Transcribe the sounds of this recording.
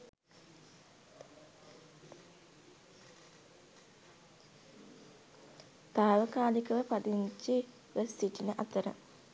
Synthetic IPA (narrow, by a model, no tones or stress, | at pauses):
t̪aːʋəkaːlikəʋəpad̪iɲt͡ʃi | ʋəsiʈinəʔat̪əɾə̰